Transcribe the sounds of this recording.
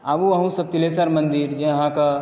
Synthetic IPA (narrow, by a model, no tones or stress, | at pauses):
aːbuɐɦũsɐb̚t̪ɪlesaɾmə̃nd̪iɾd͡ʒẽɐɦãka